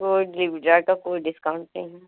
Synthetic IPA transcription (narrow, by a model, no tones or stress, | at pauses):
koːɖlɪʋɖɾakakoːiɖɪskaʊɳʈnɐ̰ɦi